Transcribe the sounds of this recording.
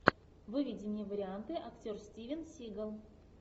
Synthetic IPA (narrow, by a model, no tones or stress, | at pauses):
vɨvʲɪdʲɪnʲɪəvəɾʲɪant̪ɨʔɐktʲorsʲtʲivʲɪnsʲiɡəlˠ